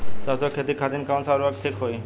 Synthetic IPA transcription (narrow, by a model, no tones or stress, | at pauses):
t̪asɔkʰet̪ikʰat̪inkaw̃nsaɾuaɡ̚ʈʰikɦoj